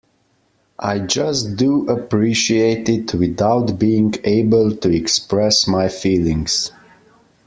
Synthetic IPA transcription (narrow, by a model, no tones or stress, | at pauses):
ʔa̰ɪd͡ʒʌsduʔəpɹiʃieɪtɪdʰwɪðaʊtbiɪ̃ŋeɪbəlˠtʰuɛkspɹɛsmaɪfiːlˠɪ̃ŋz̥